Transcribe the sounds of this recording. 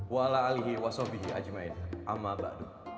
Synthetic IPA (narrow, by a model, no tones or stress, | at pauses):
waalaaliɦiwasɔbiɦiʔa̰d͡ʒmaɪnʔamːaba̰ʔdu